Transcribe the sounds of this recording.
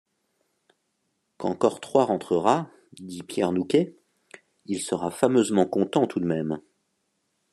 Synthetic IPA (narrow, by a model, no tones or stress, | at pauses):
kɑ̃kɔʁt̪χwaʁɑ̃t̪χəʁa | d̪ipjɛʁnukʲe | ilsəʁafamøzmɑ̃kɔ̃t̪ɑ̃t̪ud̪mɛm